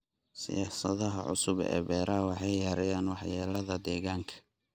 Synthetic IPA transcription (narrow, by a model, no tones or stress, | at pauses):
sɪ̰jaːsɐðɐɦɐ̰ʕʊ̰sʊbɛ̰ːbɛːɾʔɐwɑħɑjːɐɾɐjaːnwɑħjaːlɐðɐd̪ɛːɣaːŋkʰɐ̥